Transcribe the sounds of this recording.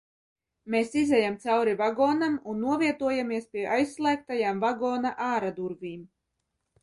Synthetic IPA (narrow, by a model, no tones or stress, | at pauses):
meːsizɛjamt̪sawɾivaɡɔːnamunːuɔviɛt̪uɔjamiɛspʲiɛʔajsːlˠæːk̚t̪ajaːmvaɡɔːnaʔaːɾad̪uɾviːm